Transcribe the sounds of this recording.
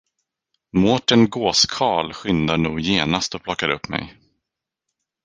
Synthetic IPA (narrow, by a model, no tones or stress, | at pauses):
moːʈənɡoːskʰɑːlɧʏnd̪aɳuːɡjeːnast̪ɔpʰlɔkːaɾɵpːmɛ̰j